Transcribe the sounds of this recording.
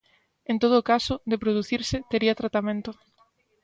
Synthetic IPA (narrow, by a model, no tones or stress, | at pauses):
ent̪oð̞oːkasʊd̪epɾoðuθiɾsɪt̪eɾiɐt̪ɾat̪amẽnt̪ʊ